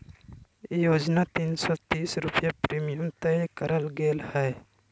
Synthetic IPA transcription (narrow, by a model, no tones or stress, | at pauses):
joːd͡ʒnat̪iːnsɔt̪iːsɾʊpjapɾiːmijəmt̪əkəɾəlɡeːlhɛː